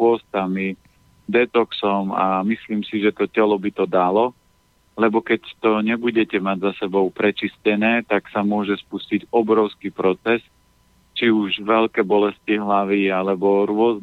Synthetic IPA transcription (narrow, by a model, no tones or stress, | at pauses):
ʊɔst̪ami | d̪ɛt̪ɔksɔma̰misliːmsiʒɛt̪ɔcɛlɔbit̪ɔd̪alɔ | lɛbɔkɛct̪ɔɲɛbuɟɛcɛmaɟzasɛbɔʊpɾɛt͡ʃiscɛnɛːt̪aksamʊɔʒɛspusciɟɔbɾɔʊskiːpɾɔt͡sɛs | t͡ʃiuʒʋɛʎkɛːbɔlɛsciɦlaʋiːalɛbɔɾʊɔz